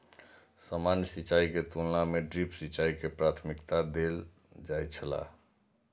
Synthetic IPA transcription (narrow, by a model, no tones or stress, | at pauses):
səmanjəsit͡ʃaiket̪ulnameɖɾipsit͡ʃaikepɾat̪ʰmikt̪ad̪el | d͡ʒajt͡ʃʰəla̰